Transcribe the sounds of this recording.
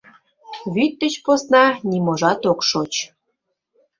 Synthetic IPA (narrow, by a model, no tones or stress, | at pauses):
βyt̪ːət͡ɕposnɑnʲimoʒɑt̪okʃot͡ɕ